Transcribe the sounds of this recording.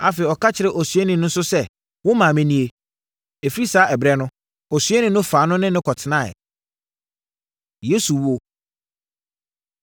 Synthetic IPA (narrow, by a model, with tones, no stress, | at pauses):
a˨fe˨i˨ɔ˨ka˦t͡ɕʰɪ˨ɾɪ˦ʔɔ˨sɥe˦nɪ̃˨nʊ̃˦n̩˦sʊ˦sɛ˦˨ | wʊ̃˦mã˨mɛ̃˨nĩ˨e˨ | e˨fi˦i˦saː˨˦ʔɛ˨bɾɛ˦nʊ̃˦ | ɔ˨sɥe˦nɪ̃˨nʊ̃˦faː˨˦nʊ̃˦nɪ̃˦nɪ̃˦kʰɔ˨tʰɪ˨nã˦˨ɛ̰˨ | je˦su˨wo˦